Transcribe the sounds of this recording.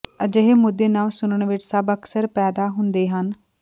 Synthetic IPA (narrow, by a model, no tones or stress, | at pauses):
əd͡ʒəɦemʊd̪ːeːnaːlsʊnəɳʋɪʈsəbəksəɾpɛːd̪aːɦʊnd̪eːɦən